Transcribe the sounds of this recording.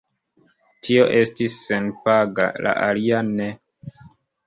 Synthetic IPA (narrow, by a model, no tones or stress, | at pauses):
tʰio̞ʔe̞stisːenpaɡa̰la̰ʔaliane